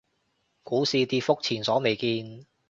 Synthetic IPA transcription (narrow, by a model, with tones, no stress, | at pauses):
kuː˨˥siː˨t̪iː˧fʊ˥k̚t͡sʰiː˨˩nsɔː˨˥me˨jkiː˧n